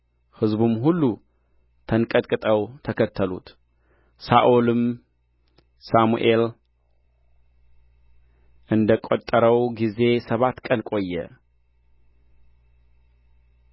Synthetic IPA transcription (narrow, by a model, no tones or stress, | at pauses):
hɨzbumɦulːu | t̪ʰɐnkʼɐt̪ʼkʼɨt̪ʼɐwt̪ʰɐkʰɐt̪ʰːɐlṵt̪ | saʔulɨm | samṵʔel | ʔɨnd̪ɐkʼot̪ʼːəɾɐwɡize̞sɐβat̪kʼɐnkʼo̞jːɛ̰